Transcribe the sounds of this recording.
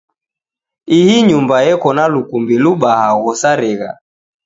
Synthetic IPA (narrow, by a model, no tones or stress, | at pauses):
ihiɲumbajɛkɔnalukumbiluɓaɦaɣɔsaɾɛɣa̰